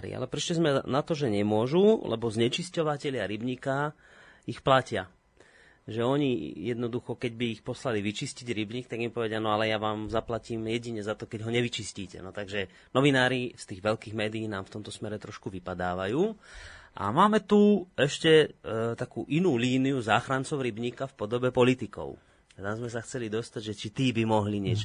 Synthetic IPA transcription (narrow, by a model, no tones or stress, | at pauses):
ɾḭa̰lɛpɾiʃcɛzmɛnat̪ɔʒɛɲɛmʊɔʒulʔɛ̰bɔzɲɛt͡ʃiscɔʋacɛʎɪaɾibɲika | ixplacɪa | ʒɛɔɲijɛd̪nɔd̪uxɔkɛɟbiːxpɔslaliʋit͡ʃisciɟɾibɲiːk̚t̪aɡimpɔʋɛɟɪanɔalɛjaʋaːmzaplaciːmjɛɟiɲɛzat̪ɔkɛɟɦɔɲɛʋit͡ʃisciːcɛ̰nɔt̪aɡʒɛ | nɔʋinaːɾifst̪iːɣʋɛlkiːɣmɛːd̪iiːnaːmft̪ɔmt̪ɔsmɛɾɛt̪ɾɔʃkuʋipad̪aːʋajuːʔa̰maːmɛt̪uɛʃcɛt̪akṵːʔinuːliːnijuzaːxɾant͡sɔʊɾibɲiːkafpɔd̪ɔbɛpɔlit̪ikɔ̰ʊ | at̪amzmɛsaxt͡sɛlid̪ɔst̪aɟʒɛt͡ʃit̪iːbimɔɦliɲɪɛt͡ʃɔ